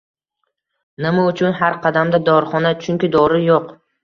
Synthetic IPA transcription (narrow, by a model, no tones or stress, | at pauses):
nɪmaʊt͡ʃʰʊnhaɾqʰɑd̪amd̪ad̪ɒɾχɒnat͡ʃʰʊŋkʲɪd̪ɒɾɪjoq